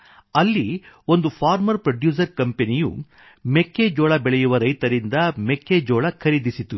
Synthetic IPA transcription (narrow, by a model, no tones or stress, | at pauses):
ɐlːio̞nd̪upʰaːɾmɐɾpɾɐɖjuːs̬ɐɾkɐmpenijṵ | mekːeːd͡ʒoːɭɐbɛɭɛjuʋɐɾɐjt̪ɐɾind̪ɐmekːed͡ʒoːɭɐkʰɐɾid̪isit̪u